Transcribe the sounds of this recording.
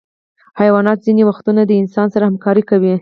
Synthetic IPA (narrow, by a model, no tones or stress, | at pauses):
hajawɑnɑt̪zinewaxt̪unad̪əɪnsɑnsaɾahamkɑɾikawi